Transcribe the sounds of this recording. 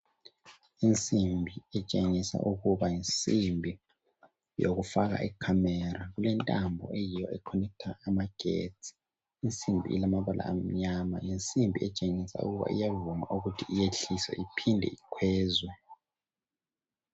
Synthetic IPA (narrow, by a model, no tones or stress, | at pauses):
int͡sʼimbʱiɛt͡ʃʼeŋisa̰ʔuɣuβajint͡sʼimbʱi | jo̰ɣufaɣa̰ʔikʰamɛɾaɣulɛntʼambʱɔ̰ʔejijɔɛkʰɔnɛk̚tʰaːmaɡ̥ʱḛt͡sʰʼi̥ | int͡sʼimbʱḭḭlamaβalʔa̰ːm̩ɲamaint͡sʼimbʱiɛt͡ʃʼeŋisa̰ṵɣuβa̰ʔḭjavuma̰ʔuɣutʰiijeɬiswɛ̰ʔipʰindʱɛ̰ikʰwɛːzwɛ